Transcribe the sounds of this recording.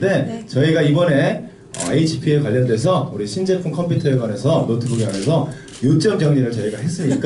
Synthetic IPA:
de̞t͡ɕʌiɡaibʌne̞ | ʌ̰ait͡ɕʰi̥pʰiekwaʎːʌndwesʰʌuɾiɕʰind͡ʑe̞pʰuŋkʰʌmpʰutʰʌe̞ɡwane̞sʰʌmotʰɯbuɡiane̞sʰʌ | jot͡ɕ͈ʌmɡjʌŋɲiɾɯɭt͡ɕʌiɡaɦe̞s͈ɯɲik͈a

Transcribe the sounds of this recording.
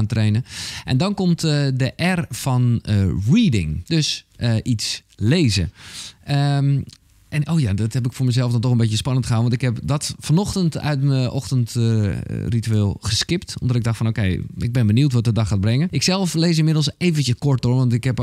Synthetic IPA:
antreːnəʔɛndɔnkɔmtdəʔɛrfɔnriːdɪ̰ŋdøsəʔisleːzə̰ə | ʔɛnoːjadɔthɛp̬ɪkfoːɹməzɛlˠfdɔntɔxənbejəspɑnəntxəɦanʋɔntɪkhɛpdɔtfɔnɔxtəntœ̰ɥtməʔɔxtənt | rityeːlˠχəskɪptɔ̰mdɔtɪɡ̚dɔxtfɔnowkejɪɡ̚bɛnbəniutʋɔtədɑxaːt̚brɛŋəɪksɛlˠfleːs̬ɪnmɪdəl̩ˠseːvəntjəkɔɹt̚oɹʋɔntɪkɦɛp

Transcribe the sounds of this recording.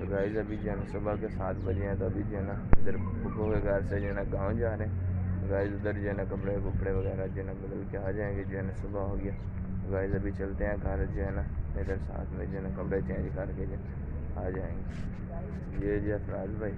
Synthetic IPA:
ɡaːɪzəbʱiːd͡ʒnasʊbakasaːt̪bəd͡ʒeɛ̃ːt̪oəbʱiːd͡ʒeːnã | ʊd̪əɾ | ʊkʰoːkeɡəːɾsed͡ʒeːnãːɡãːd͡ʒaːɾẽːɡaːɪzʊd̪əɾd͡ʒeːnãːkəpɽekʊpɽeːʋəɡɛːɾad͡ʒenãːbəd̪əlkeaːd͡ʒaːẽːɡed͡ʒenãsʊbaɦoːɡɪjaː | ɡaːɪzəbʱiːt͡ʃəlt̪eɛ̃ːɡʱəɾd͡ʒeɦɛnaed̪əɾsa̰ːt̪ʰmẽd͡ʒeːnaːkəpɽaːt͡ʃẽːd͡ʒkəɾked͡ʒe | aːd͡ʒaːẽːɡeː | jeːd͡ʒeəpɾaːd̪bʱaːiː

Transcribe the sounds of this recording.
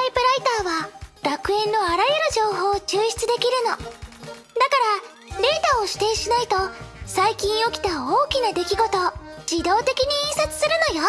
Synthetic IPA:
t̪aipɯ̟ɾait̪aːβaɾakɯ̟ẽ̞nːo̞aɾajɯɾɯ̟ʑo̞ːɦo̞ːt͡ɕɨːɕi̥t͡sɨd̪e̞kʲiɾɯ̟no̞ | d̪akaɾa | ɾe̞ːt̪aoɕi̥t̪e̞ːɕinait̪o̞saikʲĩɰ̃o̞kʲi̥t̪aoːkʲinad̪e̞kʲiɡo̞t̪o̞d͡ʑid̪o̞ːt̪e̞kʲiɲ̟iẽɰ̃sat͡sɨ̥sɨɾɯ̟no̞jo

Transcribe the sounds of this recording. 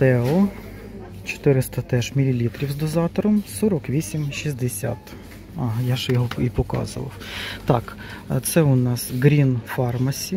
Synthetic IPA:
t̪ɛɔ | t͡ʃɔ̥t̪ɪɾɪst̪ɐt̪ɛʃmʲilʲilʲit̪ɾʲiwzd̪ɔzɑt̪ɔɾɔmsɔɾɔkʋʲisʲimʃizd̪esʲa̰t̪ | ɑɦjaʒjɔɦɔipɔkɑ̰zʊ̰ʋɐ̰wt̪ɑk | t̪sɛʊnɑsɡɾʲinfɑrmɐsʲi

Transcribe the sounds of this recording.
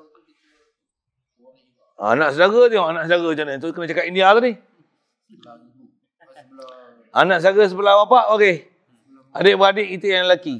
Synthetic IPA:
a̰naʔsədaɡət̪ioŋanaʔsədaɡəd͡ʒanənt̪ukənat͡ʃakat̪indiat̪anih | anaʔsəlaɡəs̬əpəlabapaʔoke | adeʔbəadeʔkit̪əjaŋlaki

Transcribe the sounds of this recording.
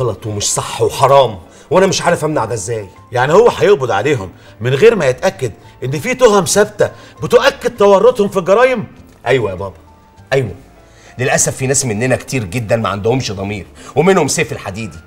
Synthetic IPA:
ɣɑlɑt̪ˤwemeʃsˤɑħːweħɑɾˤɑːm | wʔænæmeʃʕaːɾefʔæmnaʕad̪æʔzːæːj | jaʕnihowːæħɑjeɣbod̪ʕa̰leːɦomː | enɣeːɾmæjet̪ʔækːæd̪ʔenːfiːt̪ohæmsæbt̪æbet̪oʔækːæd̪̚t̪ːɑwɑrˤːot̪ˤhomfilɡɑɾˤɑːjem | ʔæjwæjæbɑːbɑ | ʔæjwæ | lelʔæsæfːiːnæːsmenːenækt̪iːɾɡed̪ːænmæ̰ʕa̰nd̪ohomʃd̪ˤɑmiːɾwemenhomseːfelħad̪iːd̪i

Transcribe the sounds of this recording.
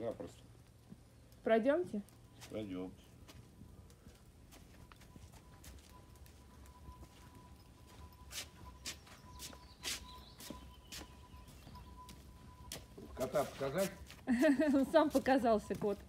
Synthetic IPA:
j̪apɾɐst̪ | pɾɐdʲomtʲɪ | pɾɐdʲomtʲ | kɐt̪apə̥kɐzatʲ | onsampəkɐzɑlˠsʲəkot̪

